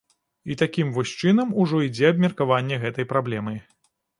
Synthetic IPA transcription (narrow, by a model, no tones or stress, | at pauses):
it̪akʲimvɔsʲt͡ʂɨn̪ɐmuʐɔid͡zʲɛɐb̚mʲɐrkavanʲːɛɣɛt̪ɐjpɾablʲɛmɨj